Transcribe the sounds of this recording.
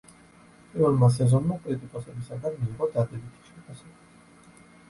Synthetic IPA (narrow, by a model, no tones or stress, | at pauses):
pʼivɛlˠmas̬ɛzɔnmakʼɾit̪ʼikʼɔsɛbisaɡanmiːʁɔd̪ad̪ɛbit̪ʰi̥ʃɛpʰasɛbi